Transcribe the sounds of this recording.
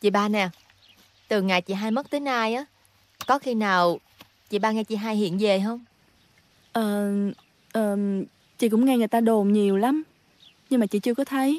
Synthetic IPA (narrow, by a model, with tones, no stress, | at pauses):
t͡ɕḭ˧˨ɓaː˧nɛ˨˩ | t̪ɨ˨˩ŋa˨˩jt͡ɕḭ˧˨ɦaː˧jmə˦˥t̚t̪əː˨˦jnaː˧jʔaː˨˦ | kɔ˨˦xi˧naː˨˩w | t͡ɕḭ˧˨ɓaː˧ŋɛ˧t͡ɕḭ˧˩ɦaː˧jhḭ˧˨ənve˨˩ɦə˧wŋ͡m | ʔəː˨˩ | ʔəː˨˩ | t͡ɕḭ˧˨kʊ̰˧˥ŋ͡mŋɛ˧ŋɨ˨˩əjt̪aː˧ɗo˨˩mɲi˨˩əwla˨˦m | ɲɨ˧ŋmaː˨˩t͡ɕḭ˧˨t͡ɕɨ˧əkɔ˨˦t̪ʰə˨˦j